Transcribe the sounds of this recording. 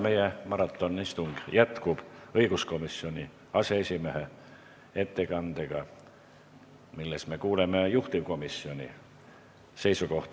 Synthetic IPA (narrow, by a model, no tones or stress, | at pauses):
me̞jemɑɾɑt̪ːˑo̞nːist̪uŋɡ̥jæt̪kub̥ɤiɡ̥usko̞misːio̞nʲi | ɑseesʲimeɦe | e̞t̪ːe̞kɑnd̪̥eɡ̥ɑ | milːesme̞kuːleme̞juht̪iʋko̞misːio̞nʲḭ | se̞jsuko̞ht̪